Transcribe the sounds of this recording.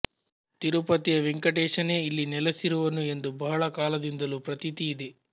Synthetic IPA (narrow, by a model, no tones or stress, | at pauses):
t̪iɾupɐt̪ijɐʋiŋkɐʈeːʂɐne̞ːilːinɛlɐsiɾuʋɐnue̞nd̪ubɐɦɐɭɐkaːlɐd̪ind̪ɐlupɾɐt̪it̪ijid̪e